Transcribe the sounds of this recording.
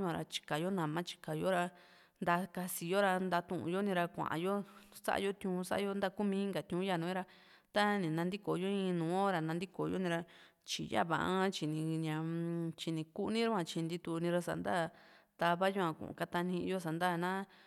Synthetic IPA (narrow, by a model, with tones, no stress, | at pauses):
ã˨˧ɾa̰˧t͡ʃi̥˧ka˨jo˦nã˨mã˦t͡ʃi̥˧ka˨jo˦ɾa˧ | nd̪a˧ka˧si˧jo˦ɾa˧nd̪a˧t̪ũ˧˨ʔṵ̃˧jo˦nĩ˧ɾa˧kʷã̰˨ʔa̰˧˨jo˦sa̰˦ʔa̰˧jo˦t̪jũ˧sa̰˦ʔa˧o˧˦nd̪a˦˧ku˦mĩ˧˦ĩ˦ŋɡa˨t̪jũ˧˦ja˧˨nũ˨˦ĩ˦ɾa˧ | t̪a˦nĩ˨nã˧nd̪i˦ko˨jo˦ĩ˧nũː˨˦ɾa˧nã˧nd̪i˦ko˨jo̰˦nĩ˧ɾa˧ | t͡ʃḭ˨ja̰˦˨βa̰˧ʔã˦t͡ʃi˨nĩ˧ɲã˧t͡ʃi˧nĩ˧ku˦nĩ˦ɾa˦ã˧˨t͡ʃi˧nd̪i˧t̪u˧nĩ˧ɾa˧sa̰˨nd̪a˦˨ | t̪a˧βa˦jo˦ã˧kṵ̃˧˨ṵ̃˨ka˧t̪a˧nĩ˧jo˦s̬a˨nd̪a˦˨nã˦